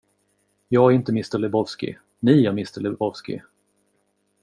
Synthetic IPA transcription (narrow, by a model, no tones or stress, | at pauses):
jɑːɡɾɪnt̪əmɪst̪əɭlɛbɔvskɪ̰ | nɪːamɪst̪əɭɛbɔvskɪ̰